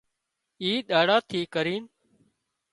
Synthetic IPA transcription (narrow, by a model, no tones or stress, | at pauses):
iːɗaːɽaːt̪ʰiːkəɾiːn